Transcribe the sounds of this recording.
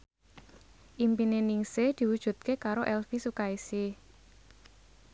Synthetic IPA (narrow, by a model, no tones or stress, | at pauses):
ʔimpineniŋsed̪̥i̤wud̥ʒ̥ṳt̪̚kekaɾoʔɛlfisukaisi